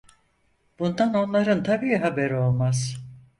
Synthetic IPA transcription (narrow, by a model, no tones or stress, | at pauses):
b̥und̪ano̞nlˠaɾɯnt̪ʰabiːɦabeɾio̞lˠmaz̥